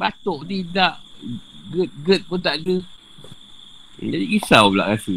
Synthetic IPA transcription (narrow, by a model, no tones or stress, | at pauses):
bat̪oʔt̪̬idaʔɡət̪̚ɡət̪̚put̪aʔɡə | d͡ʒadikisawbla̰ʔkasi